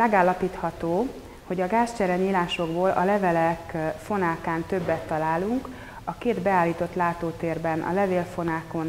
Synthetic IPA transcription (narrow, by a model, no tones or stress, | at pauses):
mɛɡaːlːɒpiːt̪hɒt̪oː | ho̞ɟɒɡaːst͡ʃɛɾɛɲiːlaːʃo̞ɡboːlʔɒ̰lɛvɛlɛkfo̞naːkaːnt̪ø̞bːɛt̪ːɒlaːluŋk | ɒkeːd̪bɛaːlːiːt̪o̞t̪laːt̪oːt̪eːrbɛnʔɒ̰lɛveːlfo̞naːko̞n